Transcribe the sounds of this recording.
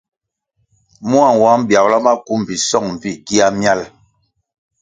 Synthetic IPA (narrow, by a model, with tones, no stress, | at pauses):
mu˦a˦˨ŋ˨wa˨˦m˦bja˨wla˦ma˦ku˦m˨vi˨sɔ˦˨ŋm˨vi˦ki˦a˦mja˦l